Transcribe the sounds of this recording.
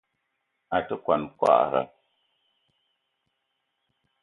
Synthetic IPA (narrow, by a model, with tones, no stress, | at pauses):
a˨tə˦kwa˨nkwa̰˦ʔɣa̰˨